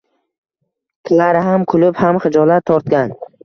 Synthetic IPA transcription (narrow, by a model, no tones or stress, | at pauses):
k̪ʲʰɪlaɾɪɦamkʰʊlʊphamχɪd͡ʒɒlat̪ʰːɒɾt̪̚ɡʲan